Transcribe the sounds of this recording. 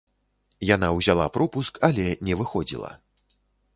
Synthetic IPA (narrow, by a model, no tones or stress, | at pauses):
janawzʲalˠapɾɔpuskɐlʲɛnʲɛvɨxɔd͡zʲḭlˠɐ̰